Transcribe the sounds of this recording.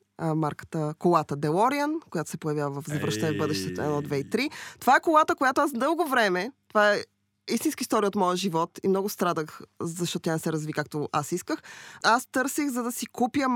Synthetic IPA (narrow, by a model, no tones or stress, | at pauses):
maɾkə̥t̪əkolˠat̪əd̪ɛlˠɔɾiənkojat̪o̥sɛpojɐvjavəvɐfzɐvɾəʃt̪ɐnɛvbɤd̪ɛʃt̪ɛt̪oɛnɔd̪vɛit̪ɾit̪ovaɛkolˠat̪əkojat̪oasd̪ɤlˠɡovɾɛmɛt̪ovaɛ | ist̪inskist̪ɔɾijəot̪mɔjəʒivɔt̪imnɔɡʊst̪ɾad̪əxzɐʃt̪ɔt̪ʊt̪ʲjanɛsɛɾɐzvikak̚t̪oʔa̰siskəxast̪ɤɾsixzɐd̪ɐsikupjə